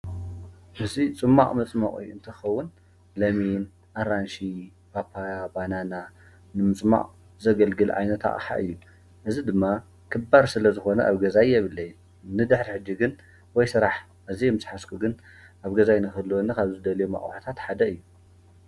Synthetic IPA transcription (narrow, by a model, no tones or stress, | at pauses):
ʔɨzit͡sʼɨmːaχʼmɨt͡sʼmaχʼḭɨ̰nt̪ʰɨxɐwːʊn | lɐmin | ʔaɾanʃi | bapʰːajabanana | nɨmɨt͡sʼma̰ʔʼ | zɐɡɐlɡɨlʕa̰jnɐt̪ʰa̰ʔʼħa̰ʔɨjːu | ʔɨzid̪ɨmːa | kʰɨbːaɾsɨlɐzɨxo̞nɐʔa̰βɡɐzajjɛβɨlːɐj | nɨd̪ɨħɾiħɨd͡ʒːiɡɨn | wɔjsɨɾaħ | ʔɨzijmɨsħaskʰuɡɨn | ʔaβɡɐzajnɨxɨlːuwonːɐkʰaβzɨd̪ɐljema̰χʼw̰ħat̪ʰat̪ħad̪ɐɨjːu